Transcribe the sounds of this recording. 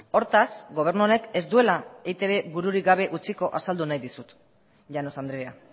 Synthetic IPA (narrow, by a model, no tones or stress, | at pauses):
o̞ɾt̪asɡo̞β̞e̞ɾnuone̞ke̞zd̪ue̞laet̪e̞βe̞βuɾuɾiɡaβ̞e̞ʔut͡siko̞ʔasald̪unajðisut̪ | ʝano̞sand̪ɾea̰